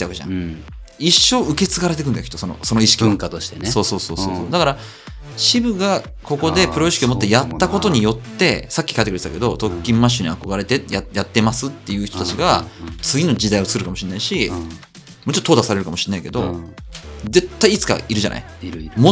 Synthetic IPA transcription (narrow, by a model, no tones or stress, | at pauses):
t̪eakeã̰ | iɕːo̞ːɯ̟ke̞t͡sɨɡaɾet̪ekɯ̟nakit̪ːosono̞̰so̞no̞iɕi̥kʲikat̪oɕt̪eso̞ːso̞ːso̞ːso̞ːsoːd̪akaɾa | ɕibɯ̟ɡa | ko̞ko̞d̪e̞pɯ̟ɾo̞iɕi̥kʲiomo̞t̪ːe̞jat̪ːako̞t̪o̞ɲ̟ijo̞t̪ːe̞sakʲːi̥kait̪ːekɯɾtet̪ːake̞d̪o̞t̪o̞kʲːĩmːaɕ̬ːoɲ̟iako̞ɡaɾe̞t̪e̞jajat̪ːe̞masɨt̪ːe̞jɯ̟ːçt̪ot̪at͡ɕiɡat͡sɨɡʲino̞d͡ʑid̪aiot͡sɨ̥kɯɾɯ̟kamo̞ɕĩnːaiɕi | mo̞t͡ɕot̪ːot̪ʰːoːd̪asaɾe̞ɾɯ̟kamo̞ɕĩ̥nːaike̞d̪o̞̰ | ze̞t̪ːaiːt͡sɨ̥ka̰ʔiɾɯ̟ʑanʔa̰ḭmo